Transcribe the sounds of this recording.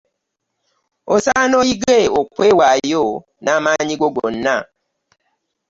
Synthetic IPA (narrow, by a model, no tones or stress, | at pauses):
osanɔiɡeokwewajo | namaɲiɡoɡonːa